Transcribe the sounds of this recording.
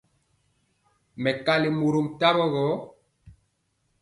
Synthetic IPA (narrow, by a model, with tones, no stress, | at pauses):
mɛ˨ka˦li˨mo˨ɾo˨mta˦bɔ˦ɣɔ˨˦